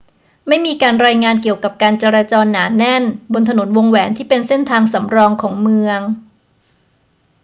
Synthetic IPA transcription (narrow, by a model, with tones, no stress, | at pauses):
ma˥˩jmiː˧kaː˧nɾaː˧jŋaː˧nki˨˩əwka˨˩p̚kaː˧nt͡ɕe˧ɾaː˧t͡ɕɔː˧nːaː˩˦nɛ˥˩nbo˧nt̪ʰa˧no˩˦nwo˧ŋwɛː˩˦nt̪ʰiː˥˩pe˧nse˥˩nt̪ʰaː˧ŋsa˩˦mɾɔː˧ŋkʰɔː˩˦ŋmɯ˧əŋ